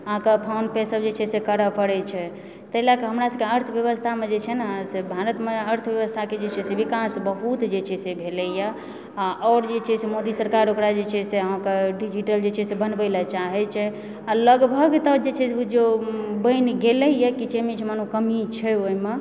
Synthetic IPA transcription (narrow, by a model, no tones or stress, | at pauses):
əɦãkepʰanpesəbd͡ʒet͡ʃʰɛsekəɾəpəɽɛt͡ʃʰɛ | t̪əɦilakeɦəmɾasəkeəɾt̪ʰbjəβəst̪ʰamed͡ʒet͡ʃʰɛnasebʱaɾət̪meəɾt̪ʰbjəβəst̪ʰaked͡ʒet͡ʃʰɛsebikasbəɦut̪d͡ʒet͡ʃʰɛsebʱelɛjə | aʔɔːɾd͡ʒet͡ʃʰɛsemod̪isəɾkaɾokɾad͡ʒet͡ʃʰɛseəɦãkeɖid͡ʒiʈəld͡ʒet͡ʃʰɛsebənbəlɛt͡ʃaɦɛt͡ʃʰɛ | aləɡbʱəɡt̪əd͡ʒet͡ʃʰɛd͡ʒobəɪnɡelɛjəkit͡ʃemit͡ʃʰɛmanokəmit͡ʃʰɛoime